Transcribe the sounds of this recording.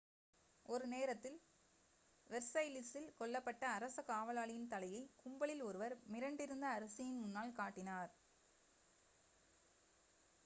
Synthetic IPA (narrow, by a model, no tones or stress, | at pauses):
ʔɔɾɯneːɾɐt̪ːɪl | ʋɛɾsɐɪlɪsɪlkɔɭːɐpːɐʈːɐːɾɐsɐkaːʋɐlaːɭɪjɪnt̪ɐlɐjɐɪkʊmbɐɭɪlɔɾɯʋɐɾmɪɾɐɳɖɪɾɯnd̪ɐːɾɐsɪjɪnmʊnːaːlkaːʈːɪnaːɾ